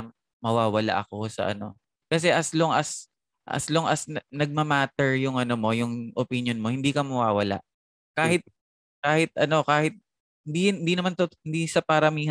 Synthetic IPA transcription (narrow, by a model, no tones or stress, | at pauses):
mɐwaːwɐla̰ʔɐko̞sɐ̰ʔɐ̰no̞̰ | kɐs̬ɛʔɐsloŋʔɐs | ʔɐ̰sloŋʔɐsnɐnɐɡ̚mɐmaːt̪ɛɹjʊŋʔɐnomo̞jʊŋʔopinjonmo̞hɪnd̪iːkɐmɐwaːwɐla̰ʔ | kaːhɪt̪̚ | kaːhɪt̪̚ʔɐno̞kaːhɪt̪̚ | hɪnd̪iɪnd̪iːnɐmant̪ohɪnd̪isɐpɐɾɐmiːh